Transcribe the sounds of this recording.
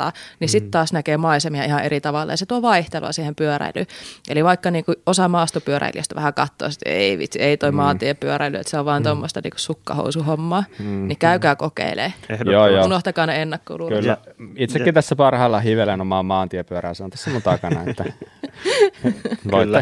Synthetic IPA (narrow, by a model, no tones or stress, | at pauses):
ɑ̰ːnisit̪t̪ɑːsnækeːmɑisemiɑihɑʔerit̪ɑʋɑlːɑ̰jɑset̪uoʋɑiht̪elo̰ɑ̰siːhempyøræ̰ily̰ʔeliʋɑikːɑniːŋkuosɑmɑːst̪opyøɾæ̰ilḭø̰st̪æʋæhækɑt̪ːo̰ːsit̪ḛiʋḭt̪sieit̪oimɑːnt̪iepyøɾæilyḛt̪seoʋʋɑːnt̪omːost̪ɑnḭːku̥sukːɑ̰ho̰usuhomːɑːnikæykæːkokḛilḛːjoːjounoht̪ɑkɑːneenːækːo̰ulukylːæit̪sekkːit̪æsːæpɑrhɑːlːɑhiʋelenomɑːmɑːnt̪iɛpyøɾæːˑsont̪æsːæmont̪ɑkɑnɑ̰et̪ːæ | oː